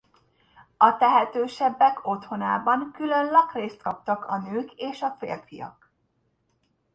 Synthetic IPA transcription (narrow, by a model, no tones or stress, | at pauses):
ɒt̪ɛɦɛt̪øːʃɛbːɛkʰo̞t̪ho̞na̰ːbɒŋkylø̞nlɒkreːst̪kɒp̚t̪ɒkɒnøːkeːʃɒfḛːrfijɒ̰k